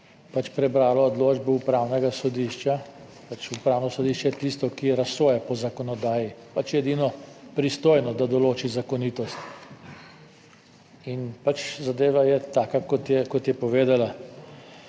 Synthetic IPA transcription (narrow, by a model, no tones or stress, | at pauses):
pat͡ʃpɾɛbɾaːlɔːd̪loːd͡ʒbɔupɾaːwnɛɡasɔd̪iʃt͡ʃa | pat͡ʃupɾaːwnɔsɔd̪iʃt͡ʃɛɛt̪ist̪ɔkiɾasoːjɛpɔzakɔnɔd̪aːjipat͡ʃjɛd̪inɔpɾist̪oːjnɔd̪ad̪ɔloːt͡ʃizakɔnit̪ɔst̪ | inpat͡ʃzad̪eːʋajɛt̪aːkakɔt̪jɛkɔt̪jɛpɔʋeːd̪ala